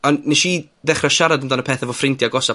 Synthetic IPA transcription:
ɔnnɛʃi | ðɛχraʃaɾadəndanəpʰeːθəvɔfrɪntʰjaɡɔsa

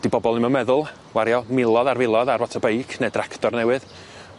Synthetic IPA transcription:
d̥ibɔbɔlˠnɪmɔnmɛðʊlˠ | waɾjɔmɪlˠɔðarvɪlˠɔðarvɔtʰabejkʰnedrakʰtɔrnɛwɨð

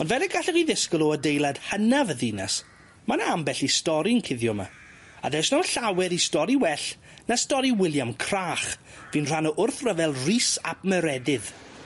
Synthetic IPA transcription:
ɔndvɛlɛɡaɬɛriðɪskɔlˠɔədejlˠad̥hənavəðɪna̰s | manaambɛɬistɔɾinkʰɪðjɔma̰ | a̰ðɛsnɔnɬawɛɾistɔɾiwɛɬ | nastɔɾiwɪlˠjamkʰraːχ | viːnr̥anɔʔʊrθrəvɛlˠriːsapməɾɛdɪð

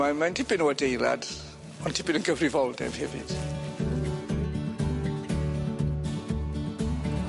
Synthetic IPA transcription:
amantʰɪpɪnuədejlˠa̰d̥ | ɔntʰɪpɪnənɡəvrivɔlˠdɛ̰v̥hɛvɪ̰d̥

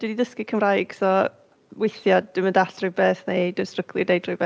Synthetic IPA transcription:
d̥ididəskɪkʰəmrajɡ̥sɔ | wɪθjad̚d̥ɪməndaɬrɨbɛθnedɪstrəkʰlˠidejdrɪbɛ

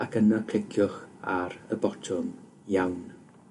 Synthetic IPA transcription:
akʰənakʰl̥ɪkʰjʊχaɾəbɔtʰʊm | jawn

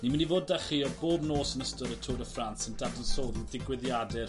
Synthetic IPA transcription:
nimənivoːd̚dɛχiɔboːbnoːsənəstɔɾətʰʊɾəfransəndadənsoːðidɪɡwɪðjadɛr

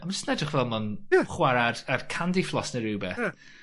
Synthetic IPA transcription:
amad͡ʒəsnɛdrɪχvɛlˠmanjəχwaɾadarkʰandiflˠɔsnəɾɪwbɛθ

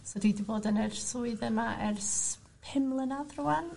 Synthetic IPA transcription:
sodidivoːdənɛrsuɨðɛmaʔɛrs | pʰɪmlˠənaðruan

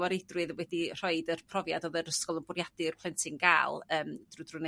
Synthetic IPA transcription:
əɾɪdrɨðəwɛdir̥ɔɨdərpʰrɔvjadoːðəɾəskɔlˠənbʊrjadɨrpʰlˠɛntʰɪŋɡa̰ːlˠəːmd̥rudrʊne

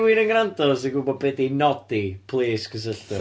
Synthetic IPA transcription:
wiɾəŋɡɾandɔsiɡubɔd̚bedinɔd̥ipʰlˠeːskʰəs̬əɬtɨ

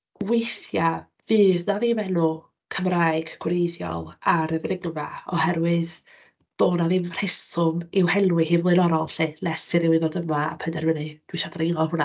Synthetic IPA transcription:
wejθja | vɨːðnaviːmɛnʊ | kʰəmraːjɨɡ̥ɡ̥wrejðjɔ̰lˠaɾəvrɪŋvaɔhɛɾwɨð | d̥oːnavimr̥ɛsʊmɪwhɛlwɪhiːvlˠɨnɔɾɔlˠɬilɛsɨɾɪwɪðodəmaa̰pʰədɛɾmənɨd̥wɪʃadɾiinɔlˠhʊna

